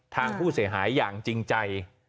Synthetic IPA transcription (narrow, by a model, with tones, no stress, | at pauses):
t̪ʰaː˧ŋpʰuː˥˩si˩˦ɐɦaː˩˦jːaː˨˩ŋt͡ɕi˧ŋt͡ɕa˧j